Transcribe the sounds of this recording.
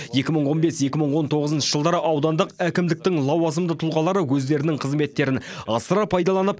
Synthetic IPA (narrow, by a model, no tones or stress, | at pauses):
je̞kʲɪməɴwo̞nbe̞sje̞kʲɪməɴwo̞nt̪ʰo̞ʁəzənʃəʒəlˠd̪ɑɾəʔɑwd̪ɑnd̪əqækʲɪmd̪ɪk̚t̪ɪŋlˠɑwɑzəmd̪ət̪ʰʊlˠʁɑlˠɑɾəwɵz̪d̪e̞ɾɪnɪɴqʰəzme̞t̪ːe̞ɾɪnɑsəɾɑpʰɑjd̪ɑlˠɑnəp̚